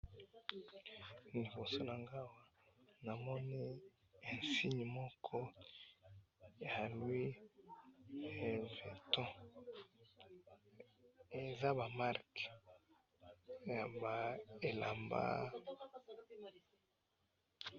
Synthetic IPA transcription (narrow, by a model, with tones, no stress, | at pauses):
li˨bo˨so˨na˨ŋɡa˦wa˦ | na˨mɔ˦ni˦ | e˨nsi˦ɲi˨mɔ˦kʰɔ˦ | e˨a˨lwi˦ | e˨ve˨tɔ̃˦ | e˨za˦ba˨ma˦ʁk | ja˨ba˨e˨la̰˨mba̰˦